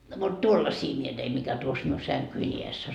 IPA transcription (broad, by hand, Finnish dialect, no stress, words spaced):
no mut tuolːɑsiː mie teim mikæ tuos miu sæŋkyi iesː o